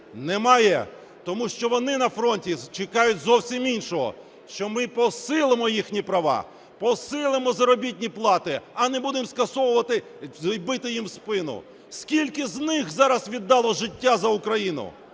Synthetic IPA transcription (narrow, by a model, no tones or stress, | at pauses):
nɛmɑjɛ | t̪ɔmuʃt͡ʃɔʋɔnɪnɐfɾɔnʲtʲit͡ʃekɑjʊtʲzɔwsʲiminʲʃɔɦɔ̰ | ʃt͡ʃɔmɪpɔsɪlˠɪmɔjixnʲipɾɐʋɑ̰ | pɔsɪlˠɪmɔzɐɾɔbʲit̚ʲnʲiplˠɑt̪ɪɐnɛbud̪ɪmskɐsɔwʊʋɐt̪ɪ | jbɪt̪ɪjimspɪnʊ̰ | skʲilʲkɪznɪxzɑɾɐsʋʲid̪ːɑlˠɔʒɪtʲːazɐʊkɾɐjinʊ̰